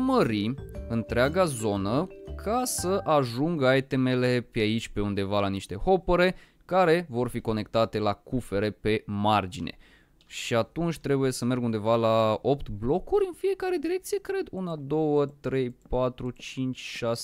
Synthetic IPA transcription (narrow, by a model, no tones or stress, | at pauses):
məɾiɨnt̪ɾeaɡazo̞nəkʰasəʔaʒuŋɡaet̪e̞mele̞peait͡ʃʲpe̞und̪e̞valaniʃt̪e̞ho̞pəɾe̞ | kaɾe̞vo̞rfiko̞ne̞kt̪at̪e̞lakufe̞ɾe̞pe̞mard͡ʒine̞̰ | ʃiat̪unt͡ʃʲt̪ɾe̞buje̞səme̞rɡund̪e̞valao̞pt̪blo̞kuɾʲɨnfije̞kaɾe̞d̪iɾe̞k̚t̪sije̞kɾe̞d̪unad̪o̞wət̪ɾe̞jpat̪ɾut͡ʃint͡ʃʲʃase